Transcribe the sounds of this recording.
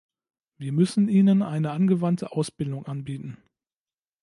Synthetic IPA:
viːɐmʏsn̩ʔiːnənʔaɪnəʔanɡəvantʰəʔaʊsb̥ɪldʊŋʔanbiːtn̩

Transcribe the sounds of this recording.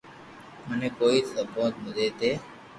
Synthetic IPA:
mənẽːkoːiːsəbõːt̪məd̪eːt̪eː

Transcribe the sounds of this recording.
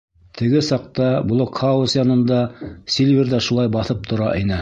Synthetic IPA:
t̪ʰɘ̆ɡɘsɑq̚t̪ɑblˠokχɑusjɑnɤ̆nd̪ɑsʲilʲvʲerðæʃulˠɑjbɑθɤp̚t̪ʰŏɾɑʔinɘ

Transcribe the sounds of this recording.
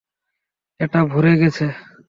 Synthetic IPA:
eʈabʱuɾeɡɛt͡ʃʰe

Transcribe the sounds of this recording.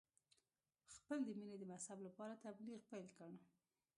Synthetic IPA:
xpəld̪əmined̪əmashablapɑɾat̪abliɣpajlkəɳ

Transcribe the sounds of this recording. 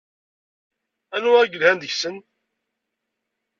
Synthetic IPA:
ænuæɡəlhænd̪əçsən

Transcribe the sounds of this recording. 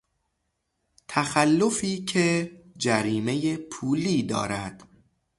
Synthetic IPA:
t̪ʰæxælːo̞fiːcʰed͡ʒæɾiːme̞jepʰuːliːd̪ɒ̰ːɾæd̪̥

